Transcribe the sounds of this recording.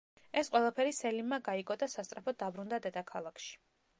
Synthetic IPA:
ɛsqʼwɛlˠapʰɛɾisɛlimːaɡaiɡɔd̪asast̪sʼɾapʰɔd̪abɾund̪ad̪ɛd̪akʰalˠakʰʃi̥

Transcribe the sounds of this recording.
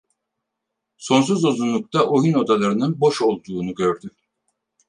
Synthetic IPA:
so̞ns̬uzo̞zunlˠuk̚t̪ʰaʔojuno̞d̪alˠaɾɯnɯnbo̞ʃo̞lˠd̪uːnuɟø̞ɾd̪y

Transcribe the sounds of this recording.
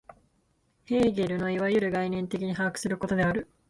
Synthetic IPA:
he̞ːɡʲe̞ɾɯ̟no̞iβajɯ̟ɾɯ̟ɡainẽ̞nt̪e̞kʲiɲ̟iɦaːkɯ̟̥sɨɾɯ̟ko̞t̪o̞d̪e̞aɾɯ̟

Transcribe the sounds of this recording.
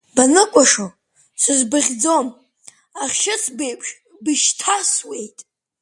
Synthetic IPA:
banɨkʷʼaʂo | sʷɨzbɨʁʲd͡zo̞m | aχʲʃɪt͡sʰbejpʰʼʃ | bɨʃtʰaswe̞jtʼ

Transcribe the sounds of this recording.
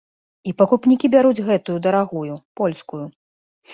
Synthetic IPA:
ipɐkupnʲikʲibʲaɾud͡zʲɣɛt̪ujud̪ɐɾaɣujupɔlʲskuju

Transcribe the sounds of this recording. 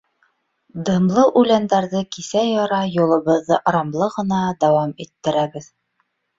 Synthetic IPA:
d̪ɤ̆mlˠɤʔʉlænd̪æɾðɤkisæjɒɾɑjulˠɤ̆βɤ̆ðːɤʔɾɑmlˠɤʁɤ̆nɑd̪æwɑmit̪ːɘ̆ɾæbɘð

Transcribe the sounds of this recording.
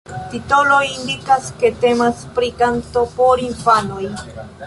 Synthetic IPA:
t̪it̪oloindikasket̪emaspɾikant̪opoɾinfanoj

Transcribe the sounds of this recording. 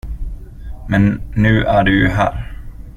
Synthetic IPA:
mɛnːʉ̟ːʔæɖɵjɦæ̰ːɾ

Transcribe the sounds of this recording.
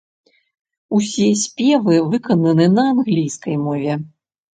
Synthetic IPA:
usʲisʲpʲɛvɨvɨkɐnɐnɨnɐanɣlʲijskɐjmɔvʲɛ

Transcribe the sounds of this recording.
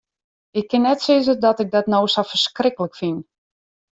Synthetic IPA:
ɪkːɪnːɛtsɪzədɔtɪɡ̚dɔtnowsɔfərskrɪkələkfin

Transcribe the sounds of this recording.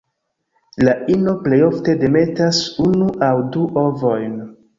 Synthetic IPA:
laʔino̞ple̞jo̞fte̞de̞me̞tasunuʔawduʔo̞vo̞jn

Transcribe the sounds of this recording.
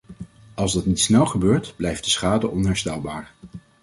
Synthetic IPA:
ɑlˠzdɑtnitsnɛlˠχəbøːɹtb̥lɛjfdəsχaːdəʔɔnɦɛɹstɛlˠbaːɹ

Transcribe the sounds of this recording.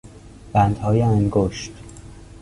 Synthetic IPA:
b̥ænd̪hɒːjeæŋɡoʃt̪

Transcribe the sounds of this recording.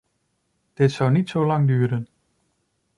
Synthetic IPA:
d̥etsæwnid̥sɔlɑŋdyːɾən

